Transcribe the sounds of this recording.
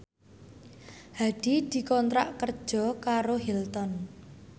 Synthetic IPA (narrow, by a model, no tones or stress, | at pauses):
haɖ̪̥id̪̥i̤kɔnt̪ɾa̰ʔkərd̥ʒ̥ɔ̤kaɾoɦilt̪ɔn